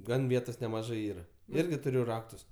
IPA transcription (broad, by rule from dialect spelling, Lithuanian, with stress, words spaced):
ˈɡɐn ˈʋʲiɛtoːs nʲɛmɐˈʒɜ ˈiːrɐ ˈɪrʲɡʲɪ tʊˈrʲʊ ˈrɑːktʊs